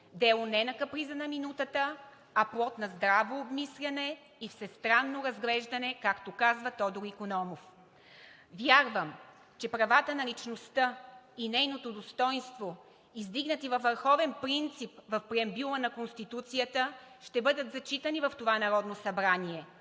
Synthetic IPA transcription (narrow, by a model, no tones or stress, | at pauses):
d̪ɛlˠonɛnɐkɐpɾizɐnɐminut̪ət̪ə | ɐplˠɔt̪nɐzd̪ɾavoːbmislʲɐnɛ | ifsɛst̪ɾanːoɾɐzɡlɛʒd̪ɐnɛkakt̪okazvət̪ɔd̪oɾikonɔmof | vjaɾvəm | t͡ʃɛpɾɐvat̪ənɐlit͡ʃnost̪əinɛjnot̪od̪ost̪ɔjnst̪vo | izd̪iɡnət̪ivɐfvəɾxɔvɛnpɾint̪sipvɐfpɾiɛmbulˠənɐkonst̪it̪ut̪sijət̪əʃt̪ɛbɤd̪ət̪zɐt͡ʃit̪ənivɐft̪ovanɐɾɔd̪nosɐbɾaniɛ